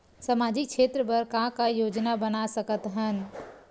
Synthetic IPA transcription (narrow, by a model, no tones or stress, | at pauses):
səmad͡ʒik̚t͡ʃʰet̪ɾəpəɾkãkajod͡ʒnabənasəkət̪ɦən